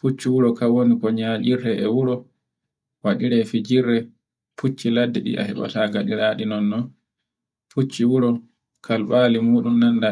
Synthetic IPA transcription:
put͡ʃːiwuɾɔkawonikɔɲad͡ʒiɾɛʔɛwuɾɔ | waɗiɾɛfid͡ʒiɾːɛ | pʰut͡ʃːiladːɛɗḭʔa̰hɛɓa̰taɡaɗiɾaɗinɔnːɔ | put͡ʃːiwuɾɔ | kʰalɓaːlimuːɗumnanda

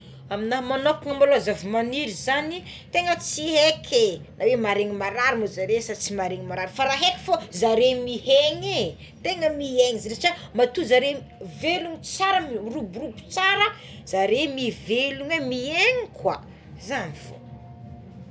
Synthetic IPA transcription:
aminamanokuŋəmaloazavimaniɾizani | t̪eŋət͡sihekʰenawemaɾeŋimaɾaɾimozaɾesat͡simaɾeŋimaɾaɾifaɾaɦeki̥fazaɾemiheɲe | t̪eŋəmieŋizɾet͡ʃəmat̪uzaɾe | veluŋit͡saɾəmrubrubu̥t͡saɾə | z̥aɾemiveluŋemieŋikwa̰ | zanifo̰

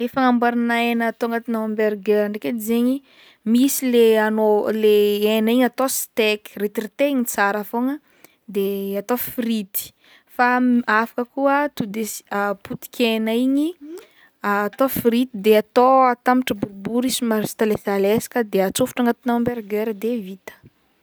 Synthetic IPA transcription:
efaŋambaɾinaenaːt̪oaŋɡat̪inawmbeɾɡeɾaɳɖ͡ʐeked̪izeɲi | misileanoleenaiɲat̪ost̪eki̥ret̪irit̪eiɲit͡saɾafoŋə | d̪eat̪ofrit̪i̥ | faafḁkəkuət̪ud̪esəput̪i̥kʲʰenaiɲi | aːt̪ofrit̪id̪eat̪oat̪amiʈ͡ʂəbuɾbuɾisimaɾisi̥t̪alefalesḁkəd̪eat͡sufu̥ʈ͡ʂaŋɡat̪inawmbeɾɡeɾd̪evit̪ə̥

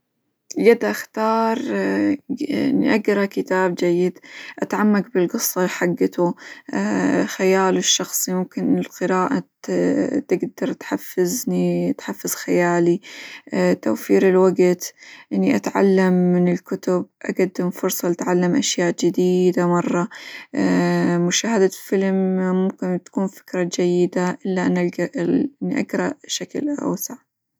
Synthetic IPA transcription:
ɡad̪aʔaxt̪ɑːɾˤ | nḭʔaɡɾˤɑkɪt̪aːb̚d͡ʒajːɪd̪ʔat̪ʕamːaɡbɪlɡɨsˤːɑħaɡːt̪u | xajaːlʊʃːɑxsˤimʊmkɪnɪlqɨɾaːʔa | t̪ɪɡd̪ɑɾˤt̪ħafːɪznit̪ħafːɪz̥xajaːliʔt̪a̰wfiːɾɪlwaɡt̪ʔɪnːiʔat̪ʕa̰lːamːɪnɪlkʊt̪ʊb̚ʔa̰ɡad̪ːɪmfʊɾsˤɑlat̪ʕalːamʔaʃjaːʔd͡ʒɪd̪iːd̪amɑrˤːɑ | mʊʃaːhad̪afɪlmmʊmkɪnt̪ḁkuːnfɪ̥kɾˤɑd͡ʒajːɪd̪aʔɪlːaʔanaʔʔɪnːiʔaɡɾˤɑ̰ʔʃaklʔa̰wsaʕ

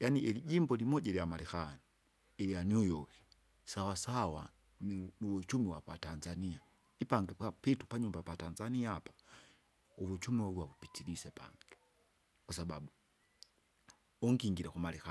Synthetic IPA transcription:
janiʔɛliɟimbɔlimɔɟaliamalɛxani | ɛlijanujɔki̥ | sawasawa | nnuwɛt͡ʃumiwapatanzania | ipaŋɡɛpapitu̥paɲumbapatanzaniapḁ | uβut͡ʃumiwauwaβupitʰilisɛpʰa̰ŋɡɛ | kasaba̰ɓu | ɔŋɡiŋɡiɾakumalɛxa

